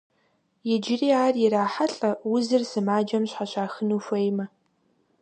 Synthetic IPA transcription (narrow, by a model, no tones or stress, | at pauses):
jɛd͡ʒɪriːaːrjɪɾaːħaɬʼɐwʊzɨrsɨmaːd͡ʒɐmɕħaɕaːxɨnuːfʷɐjmɐ